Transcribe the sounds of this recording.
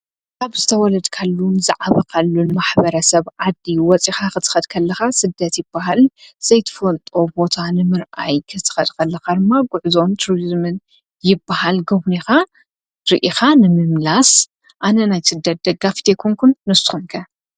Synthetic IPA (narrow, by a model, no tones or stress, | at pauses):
kaβzɨt̪ʰɐwɔlɐd̪kʰɐlːunza̰ʕaβakʰɐlːunɨmaħbɐɾɐsɐβʕad̪ːiwɔt͡sʼixakɨt̪ʰɨ̥xɐd̪kʰɐlːɐxasɨd̪ːɐt̪jɪbːaɦalz̥ɐjt̪ʰɨ̥fɐlt̪ʼo̞bo̞t̪ʰanɨmɨɾʔa̰jkʰɨt̪ʰɨ̥xɐd̪kʰɐlːɐxad̪ɨmːaɡuʕzo̞nt̪ʰuɾizmɨn | jɪbːahalɡɐβnixa | ɾiʔixanɨmɨmlas | ʔanɐnajsɨd̪ːɐt̪̚d̪ɐɡaft̪ʰekʰuŋkʰunːɨsɨ̥xumkʰɐ